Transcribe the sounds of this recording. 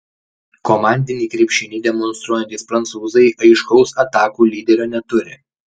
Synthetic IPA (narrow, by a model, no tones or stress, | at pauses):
kɔmɑˑnʲd̪ʲɪnʲiːkɾʲiːpʲʃʲɪnʲiːd̪ʲɛmɔnst̪ɾuɔjɛnʲt̪ʲiːspɾɐnt̪suːzɐɪʔɐɪʃkɒʊsɐt̪ɑːkuːlʲiːd̪ʲɛɾʲoːnʲɛt̪ʊɾʲɪ̰